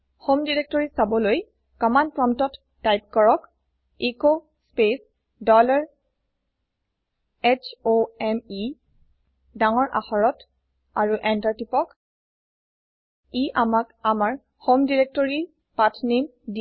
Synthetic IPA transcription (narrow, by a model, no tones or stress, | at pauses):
xomdiɹek̚tɔɹisabɔloj | kɔmanpɹɔmtɔtːajp̚kɔɹɔk | iko | spes | dɔlaɹ | ɛt͡ʃʰoɛmi | daŋɔɹʔa̰xɔɹɔt | aɹuʔɛntaɹtipɔk | iʔamakamaɹ | xomdiɹek̚tɔɹi | patʰnimdi